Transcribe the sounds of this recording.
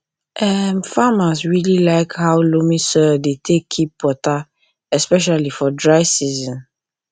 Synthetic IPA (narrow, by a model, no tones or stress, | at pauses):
ʔɛmfamasɹililaɪkhaʊlomĩsɔdetʰekʰːipwɔta | ɛspɛʃ̬alifɔdɹaɪsizɔ̃n